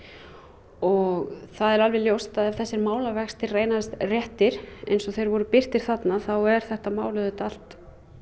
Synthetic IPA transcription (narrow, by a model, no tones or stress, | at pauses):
ɔɣθaðɛɾalvɪljowst̪aðavθɛsːɪɾmaːwlavɛkst̪ɪrreːjnaðst̪rjɛht̪ɪɾ̥ḛjnsɔθejɾvɔɾʏpɪr̥t̪ɪɾ̥θat̪naθawɛɾ̥θɛht̪amaːwlʏðʏt̪al̥t̪